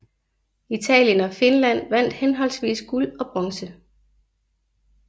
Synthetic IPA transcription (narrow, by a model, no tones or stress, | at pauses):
it͡sʰɛ̰ːljənɒ̽fe̝nlæn̰ʋæn̰d̥henɦɒ̽l̰sʋḭːsɡ̥ulɒ̽b̥ʁɒ̽ŋsə